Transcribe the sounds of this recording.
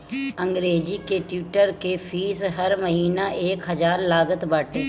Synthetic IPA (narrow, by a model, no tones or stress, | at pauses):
ɐ̃ŋɡɾeːd͡ʒikeʈuːʈəɾkefʰiːsɦɐɾmɐɦiːnaʔeːkɦɐzaːɾlaːɡət̪baːʈe